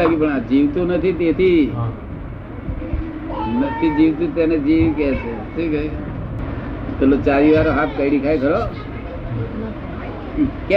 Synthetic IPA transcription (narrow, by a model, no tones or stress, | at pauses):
aɡipəɳad͡ʒiʋt̪ũnət̪ʰit̪et̪ʰi | nət̪ʰid͡ʒiʋt̪ũt̪ened͡ʒiʋkɛt͡ʃʰe | t̪ʰikəi | t̪ʰəlot͡ʃaɾiʋaɾoɦat̪̚ʰkəiɽikʰajkʰəɾo | kɛ